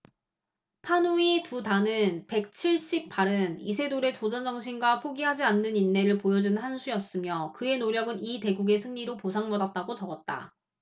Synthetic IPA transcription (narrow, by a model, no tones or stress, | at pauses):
pʰanuitutanɯnpe̞k̚t͡ɕʰiɭɕ͈ip̚p͈ʰaɾɯnisʰe̞doɾe̞t͡ɕod͡ʑʌnd͡ʑʌŋɕʰinɡwapʰoɡiɦad͡ʑianːɯninːe̞ɾɯɭpojʌd͡ʑunhansʰujʌs͈ɯmjʌkɯe̞noɾjʌɡɯnite̞ɡuɡe̞sʰɯŋɲiɾoposʰaŋmʌdat̚t͈aɡot͡ɕʌɡʌt̚t͈a̰